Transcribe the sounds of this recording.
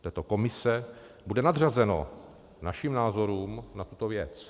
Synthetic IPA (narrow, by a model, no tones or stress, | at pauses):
t̪ɛːt̪oko̞mɪsɛ | budɛnad̪r̝azɛno̞̰ | naʃiːmnaːzo̞ɾuːmnat̪ut̪ovjɛt͡s